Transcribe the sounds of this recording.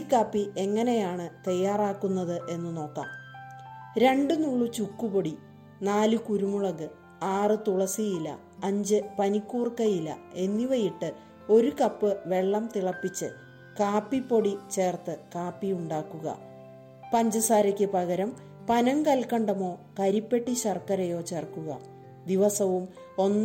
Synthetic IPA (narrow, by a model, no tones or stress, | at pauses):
kːaːpːiʔe̞ŋːɐne̞jaːɳɨt̪ɐjːaːraːkːunːɐðɨʔe̞nːɨno̞ːkːa̰ːm | ɾe̞ɳɖɨnuɭːut͡ɕukːupo̞ɽi | naːlɨkuɾumuɭɐɣɨ | aːrɨt̪uɭɐsijilːɐ̰ | ɐɲd͡ʑɨpɐnikʲːuːrkɐjilɐ̰e̞nːiʋɐjiʈːɨ | o̞ɾukɐpːɨʋe̞ɭːɐmt̪iɭɐpːit͡ɕːɨ | kaːpːipːo̞ɽit͡ɕe̞ːrt̪ɨkaːpːijuɳɖaːkːuɣɐ̰ | pɐɲd͡ʑɐsaːɾɐkʲːɨpɐɣɐɾɐm | pɐnɐmkɐlkɐɳɖɐmo̞ːkɐɾipːe̞ʈːiɕɐrkːɐɾɐjo̞ːt͡ɕerkːuɣɐ̰ | d̪iʋɐsɐʋum | o̞nː